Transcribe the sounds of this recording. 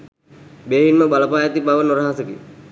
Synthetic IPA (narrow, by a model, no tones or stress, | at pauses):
beːɦinməbaləpaːjat̪ibaʋənoɾaɦasəki